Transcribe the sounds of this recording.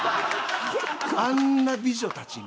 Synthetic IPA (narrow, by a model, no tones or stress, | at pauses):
anːabizɔt̪at͡ʃin